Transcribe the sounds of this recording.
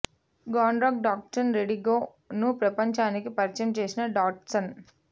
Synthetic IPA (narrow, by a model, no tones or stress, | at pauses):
ɡaːnɾɐːɡ̚ɖaːk̚ʈɐnɾeɖiɡoː | nupɾɐpɐɲt͡ʃaːnikipɐɾt͡ʃɐmt͡ʃe̞ːsinɐɖaːʈsɐn